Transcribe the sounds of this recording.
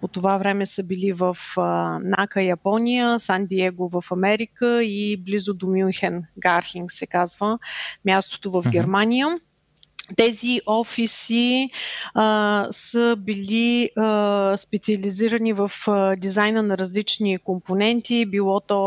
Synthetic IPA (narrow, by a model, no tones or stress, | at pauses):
pot̪ovavɾɛmɛsəbilivəfnakəjɐpɔnʲijəsand̪iɛɡovəfɐmɛɾikəiblizʊd̪omʲunxɛnɡaɾxiŋksɛkazvəmʲjast̪o̥t̪ovəvɡʲɛɾmanʲijə | t̪ɛziʔɔfisi | səbili | spɛt̪siɐliziɾənivəfd̪izajnənɐɾəzlit͡ʃnikomponɛnt̪ibilˠɔt̪ɔ